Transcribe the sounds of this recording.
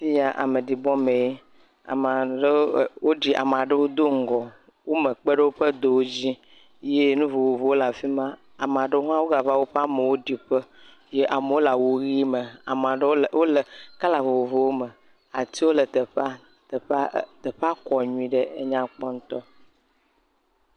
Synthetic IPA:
fi˦ja˨ʔa̰˨me˨ɖi˨bɔ˦mẽ˨je˦ | a̰˨ma˨ɖwo˦ɖi˦ʔa̰˨m˨a˨ɖə˦wo˦d̪o˦ŋ̩˦ɡɔ˨ | wo˦me˨k͡pe˦ɖe˦wo˦ɸə˦d̪o˨wo˦d͡ʑi˦ | je˦nũ˦vo˨wo˨vo˨wo˦la˨fi˦mã˦ | a˨m˨a˨ɖe˦wo˦ɦã˦wo˦ɡa˨va˦wo˦ɸa˦me˨wo˦ɖi˨ɸə˦ | je˦ʔa˨me˨wo˦la˨wo˨ɣi˦mə˨a˨˦wo˦lə˨ka˦la˨vo˨wo˨vo˨wo˦mə˨ | a˨t̪i˦wo˦lə˨t̪ | t̪ə˨ɸa˦kɔ˨ɲũ˦ĩ˦ɖe˦e˦ɲã˦k͡pɔ˦n̩˦t̪ɔ˦

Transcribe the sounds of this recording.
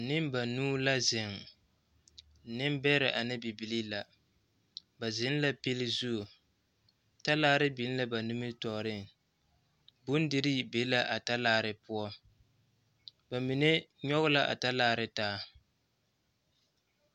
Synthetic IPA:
nɪ˦mba˨nuː˦la˦zɪ˨ŋ˨ | nɪ˦m˦bɛ˦ɾɪ˨ʔa˨nɪ˦bi˨bi˨li˦la˨ | ba˨zɪ˨˦n˦la˦pi˦lɪ˦zu˦˨ | ta˦laː˦ɾɪ˦bi˨˦n˦la˦ba˨nu˦mɨ˦tɔ˨ɾɪ˦ŋ | bʊ˦n˦dɪ˦ɾi˦be˨˦la˦ʔa˨ta˦laː˦ɾɪ˦pʊ˦ɔ˦ | ba˨mi˨ne˦ɲɔ˦ɣʊ˦la˦ʔa̰˨ta˦laː˦˨ɾɪ˦taː˦

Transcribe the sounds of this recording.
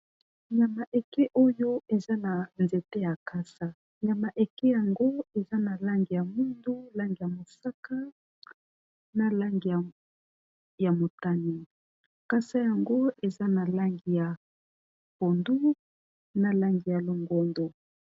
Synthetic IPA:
ɲa˨ma˨ʔe˨ke˦ʔo˦jo˦e˨za˦na˨nze˨te˦ja˨ka˦sa˦ | ɲa˨ma˨ʔe˨ke˦ja˨ŋɡo˦e˨za˦na˨la˦ŋɡi˨ja˨mu˦ndu˦la˦ŋɡi˨ja˨mo˨sa˦ka˦ | na˦˨la˦ŋɡi˨a˨ | ja˨mo˨ta˦ni˨ | ka˦sa˦ja˨ŋɡo˦e˨za˦na˨la˦ŋɡi˨ja˨ | po˨ndu˦ | na˦la˦ŋɡi˨ja˨lo˨ŋɡo˦ndo˨

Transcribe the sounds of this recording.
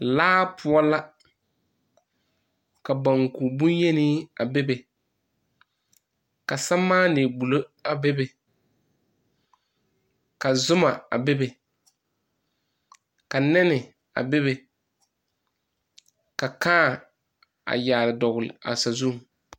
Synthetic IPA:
laː˦pʊ˦a˦la˦ | ka˨ba˨ŋku˨bʊ˦nje˦ni˦a˨be˦be˨ | ka˨sa˦maː˦neː˨ɡ͡bu˨lo˦a˨be˦be˨ | ka˨zʊ˦ma˨a̰˨be˦be˨ | ka˨nɛ˦nɪ˨ | a̰˨be˦be˨ | ka˨kaː˦˨ | a̰˨jaː˨lɪ˨dɔ˨ɣʊ˨lɪ̰˨a̰˨sa˨zu˦˨ŋ˨

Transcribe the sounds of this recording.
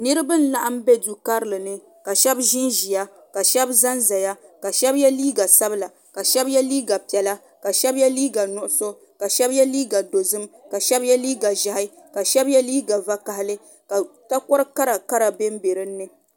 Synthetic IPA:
nɨ˦ɾɨ˦bɨ˦n̩˦la˦ʔa˦mbɛ˦du˨ka˦ɾɨ˦lɨ˨nɨ˦ | ka˨ʃɛ˦bʒɪ˦nʒi˨ja˦ | ka˨ʃɛ˦bza˦nza˨ja˦ka˨ʃɛ˦bjɛ˦liː˦ɡa˨sa˦bɨ˦la˨ | ka˨ʃɛ˦bjɛ˦liː˦ɡa˨pɛ˨la˦ | ka˨ʃɛ˦bjɛ˦liː˦ɡa˨nʊ˨ʔʊ˦so˦ | ka˨ʃɛ˦bjɛ˦liː˦ɡa˨do˨zɨ˦mka˨ʃɛ˦bjɛ˦liː˦ɡa˨ʒa˨ɦɪ˦ | ka˨ʃɛ˦bjɛ˦liː˦ɡa˨va˦ka˨hɪ˦lɨ˦ | ka˨ta˦kɔ˦ɾɨ˦ka˦ɾa˨ka˦ɾa˨bɛ˦m˦be˨ɾɨ˦nːɨ˨

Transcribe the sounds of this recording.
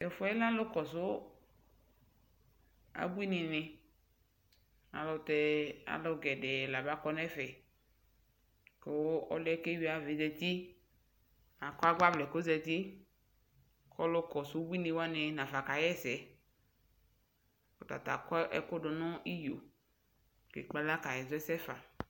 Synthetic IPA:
ɛ˨fɔ˦ɛ˦la˦lo˦kɔ˨sʊ˦ | a̰˨bu˦i˦nɪ̃˨nɪ̃˨ | a̰˨lo˨t̪ɛ˨˦a̰˨lo˦ɡɛ˨ɖɛ˨la˨ba˦kɔ˦nɛ˦fɛ˨ | ko˨˦ɔ̰˦lɛ˦ke˦wi˦a˨ve˨zɛ˨t̪i˦ | a˨kɔ˦a˦ɡ͡ba˦blɛ˨ko˦zɛ˧˨t̪i˦ | kʰɔ˦lo˦kɔ˨su˦bʷi˦nĩ˨wa˦ne˨nã˨fa˨ka˨jɛ˦sɛ˨ | o˨t̪a̰˨t̪a̰˨kɔ˦ʔɛ̰˨ko˦ɖo˨nɔ̃˦i˦jo˨ | kḛ˨k͡pa˦la˦ka˨jɛ˨zɛ˦sɛ˦fa˨

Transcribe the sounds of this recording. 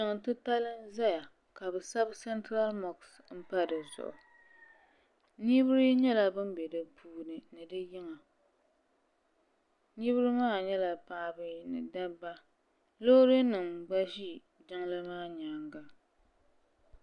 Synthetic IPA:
ɨ˨ŋ˨tɨ˦pa˦lɨ˦nza˦ja˨ | ka˨bɨ˨sa˦bsɛ˦ntɾa˦lmɔ˨ks | m̩˦pa˦dɨ˨zʊ̰˨ʔʊ̰˨ | ɲi˦bɨ˦ɾɨ˦ɲɛ˦la˨bɨ˦m˦bɛ˨dɨ˨pʰuː˦nɨ˨nɨ˨dɨ˦jɪ˦ŋa˨ | ɲi˦βɨ˦ɾɨ˦maː˦˨ɲɛ˦la˨paː˨bɨ˦nɨ̰˨da˦bːa˦ | lo˦ɾɨ˦nɨ˨mɡ͡ba˦ʒi˦ | dɨ˦ŋlɨ˦maː˦ɲaː˨ŋɡa˨

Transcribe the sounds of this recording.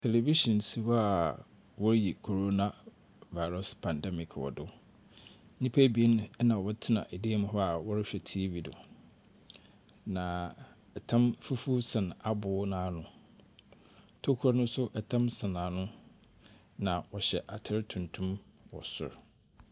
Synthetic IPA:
tʰe˨le˨vi˦ɕɔ̃˨nsi˦wa˨ | wɔ˦ɾji˨kʰo˨ɾo˦na˨ | va˨ɪ˨ɾɔ˦spʰã˨ndɛ˦mɪ˨kʰwɔ̰˨dʊ˦ | nĩ˦pʰæ˦bi˨e˦ñ˦ɛ˦nã˨wɔ˦tʰɪ˦nã̰˨ʔɛ˨de˦mʊ̃˨ɦɔ˦a˨wɔ˦ɾɪ˦ɕᶣɛ˨tʰi˦vi˨dʊ̰˨ | nã˨ | ɛ˨tʰã˦mfu˦fu˦sã˨na˨bʊː˦nãː˨˦nʊ̃˨ | tʰo˦kʰu˦ɾa˦nʊ̃˦sʊ˦ʔɛ˨tʰã˦msã˨nã˨nʊ̃˦ | nã˨wɔ˨ɕɛ˨ʔa˨tʰɪ˦ɾtʰũ˨ntʰũ˦m | wɔ̰˨sʊ̰˨ɾ

